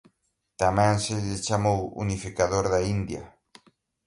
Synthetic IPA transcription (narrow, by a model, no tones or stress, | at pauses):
t̪amɛ̃ŋsɪʎɪt͡ʃamowṵnifikaðoɾðaind̪jɐ̰